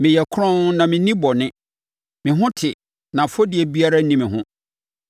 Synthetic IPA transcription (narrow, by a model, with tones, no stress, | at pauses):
mɪ̃˨jɛ˨kʰʊ˦ɾɔ̃˦n˦nã˨mɪ̃˨nĩ˦bɔ˨nɪ̃˦ | mɪ̃˨ɦʊ̃˦tʰɪ˨ | nã˨fɔ˦dɪ˨ɛ˨bi˦a˦ɾa˦nĩ˦mɪ̃˨ɦʊ̃˦